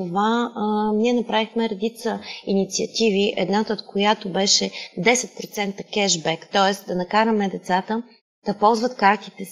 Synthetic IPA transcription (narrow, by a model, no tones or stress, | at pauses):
ovaniɛnɐpɾavixmɛɾɛd̪it̪səinit̪siɐt̪iviʔɛ̰d̪nat̪əot̪kʰojat̪obɛʃɛd̪ɛsɛt̪̚pɾot̪sɛnt̪əkɛʒbɛkt̪ɔɛsd̪ɐnɐkaɾɐmɛd̪ɛt̪sat̪ə | d̪̥ɐpɔlˠzvət̪kaɾt̪it̪ɛ